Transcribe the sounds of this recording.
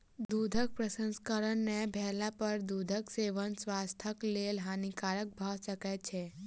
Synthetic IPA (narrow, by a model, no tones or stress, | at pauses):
d̪ud̪ʱək̚pɾəsə̃nskəɾəɳnebʱɛɦlapəɾd̪ud̪ʱəkseʋənsʋast̪ʰəklelɦanikaɾək̚bʱaʃəket͡ʃʰe